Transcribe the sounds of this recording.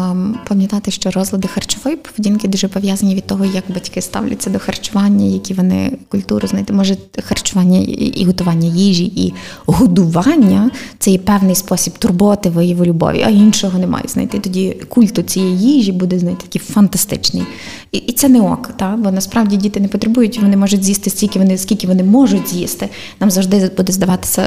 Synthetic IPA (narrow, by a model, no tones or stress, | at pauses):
pɐmʲjɐt̪ɑt̪ɪʃt͡ʃɔɾɔzlˠɐd̪ɪxɐrt͡ʃʊʋɔjipɔ̥ʋedʲinkɪd̪uʒɛpɔʋʲjazɐnʲiʋʲid̪̚t̪ɔɦɔjɐɡbɐtʲkɪst̪ɑ̰wlʲɐ̰t͡sʲːɐd̪ɔxɐrt͡ʃʊʋɑnʲːɐjɐkʲiʋɔnɪ̰kʊlʲt̪uɾʊznajt̪ɪmɔʒɛxɐrt͡ʃʊʋɑnʲːɐ̰ḭɦɔt̪ʊʋɑnʲːɐjiʒʲiʔi | ɦʊd̪ʊʋɑnʲːɐt̪sɛjɛpɛwnɪjspɔsʲibt̪ʊrbɔʋɐt̪ɪʋɔjiʋɔlʲʊbɔ̰ʋʲḭʔɐinʃɔɦɔnɛmɑ̰jʊ̰znɐ̰jt̪ɪt̪ɔdʲikulʲt̪ʊt͡sʲijɛjjiʒʲibud̪ɛznɐjt̪ɪ̥t̪ɐkifɐnt̪ɐst̪ɪ̰t͡ʃnɪ̰j | it̪sɛnɛɔ̰kt̪ɑbɔnɐspɾɑʋwdʲidʲit̪ɪnɛpɔt̪ɾebujʊtʲʋɔnɪmɔʒʊtʲzʲjist̪ɪsʲtʲilʲkʲɪʋɔnɪsʲkʲilʲkʲɪʋɔnɪmɔʒʊtʲzʲjist̪ɪ | nɑmzɐwʐʒd̪ɪbud̪ɛzd̪ɐʋɑt̪ɪ̥sʲɐ̰